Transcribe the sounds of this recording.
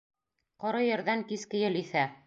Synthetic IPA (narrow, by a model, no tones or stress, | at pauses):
qɒɾɤjɘ̆ɾðæŋkiskɘ̆jɘ̆liθæ